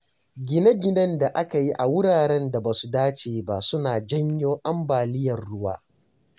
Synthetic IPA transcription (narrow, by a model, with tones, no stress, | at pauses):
ɡʲɪ˦na˦ɡʲɪ˦nɐ˦nda˨ʔa˦ka˨ji˦ʔa˨wʊ˦ɽaː˨ɾɛ˦nda˨baː˨su˨daː˦t͡ʃeː˨ba˦sʊ˦naː˨d͡ʒɐ˦ɲjoː˦ʔa˦mbaː˨lɪ˦jɐ˨rɽʊ˦wa̰ː˦